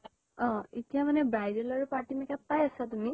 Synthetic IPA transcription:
ɔ̃etijamanɛbajdelaɹupaɹtimɛkapajasatumi

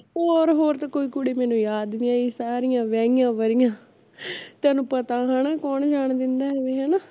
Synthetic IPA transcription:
oːɾɦoːɾt̪akoːiːkʊɽeːmɛːnũːjaːd̪nĩːaːiːsaːɾɪjãːʋɛ̃ːɪjãːʋəɾɪjãː | t̪ɛːnũːpət̪aːɦãːnaːkɔːɳd͡ʒaːɳd̪ɪnd̪aːɦɛːʋeːɦaːnaː

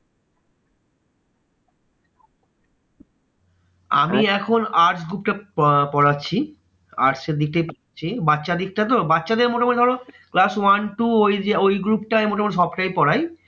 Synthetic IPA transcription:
a̰miɛkʰonaɾʈsɡɾupʈapɔɽatːɕʰi | a̰ɾʈseɾd̪ik̚ʈajpɔaɕʰibatːɕad̪ik̚ʈat̪̬obatːɕad̪eɾmoʈamoned̪ʱɔɽoklaswanʈuojd͡ʑeojɡɾup̚ʈaemoʈamoneʃ̬ɔbʈajpɔɽaj

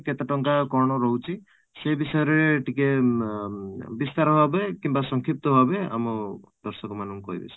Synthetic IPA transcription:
ket̪ɔʈɔŋkakɔɾɳ̃ɔɾɔɦwt͡ʃʰi | sebisɔjɔɾɾeʈike | bist̪aɾɔbʱabekimbasɔŋkʰip̚t̪ɔbʱabea̰mɔd̪ɔɾsɔkɔmanɔŋkɔɦḭbḛsʰi̥

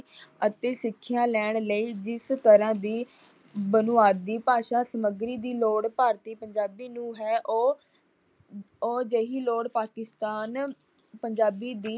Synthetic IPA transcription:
ət̪eːsɪkʰːjãːlɛːɽ̃ləiːd͡ʒɪst̪əɾãːd̪iː | bənʊaːd̪ːiːpaːʃaːsəməɡɾiːd̪iːloːɽpaːɾt̪iːpəɲd͡ʒaːbiːnũːɦɛːʔoː | oːd͡ʒəːɦiːloːɽpaːkɪst̪aːn | pəɲd͡ʒaːbiːd̪iː

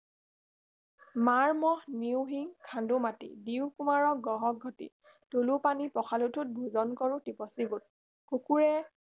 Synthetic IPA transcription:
maɹmɔhniwɦiŋkʰandumatḭdiʊwkumaɹɔɡɔɦɔɡ̚ʱɔtḭ | tolupanipɔxʰalutʰut̚bʱuzɔnkɔɹutipɔsiɡut̚ | kukuɹɛ

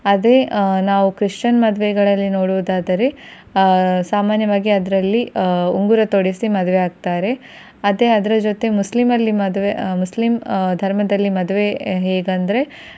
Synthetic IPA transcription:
ɐd̪e̞naːʋukɾiʂt͡ʃɐnmɐd̪ʋeɡɐɭɐlːino̞ːɽuʋud̪aːd̪ɐɾe̞ | saːmaːnjɐʋaːɡiɐd̪ɐɾɐlːiuŋɡuɾɐt̪oɽisimɐd̪ʋeaːɡ̚t̪aːɾe̞ | ɐd̪e̞ɐd̪ɐɾɐd͡ʒot̪e̞muslimɐlːimɐd̪ʋemuslimd̪ʱɐɾmɐd̪ɐlːimɐd̪ʋe̞ɦeːɡɐnd̪ɐɾe̞

